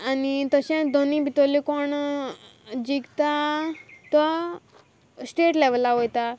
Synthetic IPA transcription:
anit̪əɕãd̪ʱonibʱit̪olikɔɳ | d͡ʑiɡt̪a | t̪a | sʈeʈleʋəlːaɦojt̪a

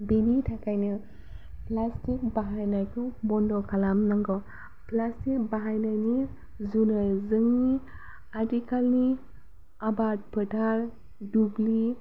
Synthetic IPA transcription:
binitʰakajnɯ | plastik̚baɦajnajkʰuŋbɔndɔkʰalamnaŋɡɔ | plastik̚baɦajnajni | zunazɯŋni | atikalni | abat̚pʰɯtʰaɾ | dubli

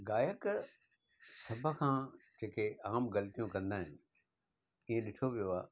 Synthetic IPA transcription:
ɡaːjək | sɐbʱə̆kʰãːd͡ʑeːkʰeʔaːmɣɐlət̪ijũkɐ̃nd̪aːɦɪnɪ̆ | iːẽɗɪʈʰoʋijoaː

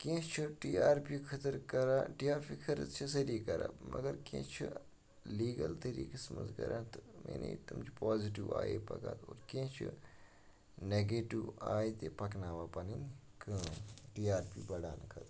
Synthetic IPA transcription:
kĩt͡ʃʰuʈiːaːɾpiːkʰɐt̪ɾkɐɾaːʈiaːɾpʰikʰɐɾt͡ʃʰis̬ɐɾiːkɐɾa̰ːmʔɐɡɐɾkĩt͡ʃʰu | liːɡɐlt̪ɐɾḭːkəsmə̰nzkɐ̰ɾʔaːnt̪mḛːnḛt̪ɐmt͡ʃʰipaːziʈiʋa̰ːjḛːpɐka̰ːt̪oːɾkĩt͡ʃʰṵ | neːɡeːʈiʋaːit̪eːpɐknaːʋaːpɐnin | kə̃ʈiːaːɾpiːbɐɽaːnkʰɐt̪

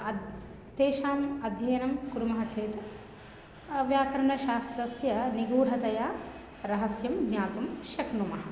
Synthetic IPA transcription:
ɐ | t̪eːʃaːmɐd̪ʱjɐjɐnɐmkuɾumɐɦɐt͡ʃeːt̪ɐ | ɐʋjaːkɐɾɐɳɐʃaːst̪ɾɐsjɐniɡuːɽ̤ʱɐt̪ɐjaː | ɾɐɦɐsjɐmɡnɲjaːt̪ɐmʃɐknumɐɦɐ

